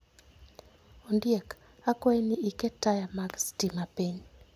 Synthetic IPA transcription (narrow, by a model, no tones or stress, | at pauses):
ondjek | akwajniiketajamaɡstimapiɲ